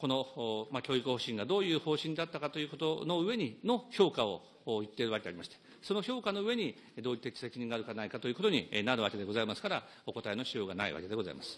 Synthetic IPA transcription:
ko̞no̞makʲo̞ːikɯ̟ho̞ɕĩŋɡad̪o̞ːjɯ̟ːho̞ːɕĩnd̪at̪ːakat̪o̞jɯ̟ːko̞t̪o̞no̞ɯ̟e̞ɲ̟ino̞ço̞ːkaoː | jɯ̟t̪ːe̞ɾɯ̟akea̰ɾʲimaɕi̥t̪e̥ | sono̞ço̞ːkano̞ɯ̟e̞ɲ̟i | d̪oːit̪ːḁi̥se̞kʲiɲ̟ĩŋɡaɾɯ̟kanaikat̪o̞jɯ̟ko̞t̪̬o̞ɲ̟ḭnaɾɯ̟βake̞d̪e̞ɡo̞zaimasɨ̥kaɾa | o̞ko̞t̪aeno̞ɕijo̞ːɡana̰ḭβa̰ke̞d̪e̞ɡo̞za̰ḭmasɨ̥

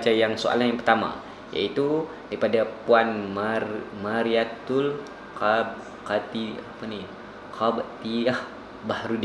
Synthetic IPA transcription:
t͡ʃajaŋso̰ʔa̰lanjaŋpərt̪ama̰ | ja̰it̪u | daɾipadapuanmamaɾiat̪ʊl | qab | kat̪iapani | kʰabt̪iah | bahɾudi

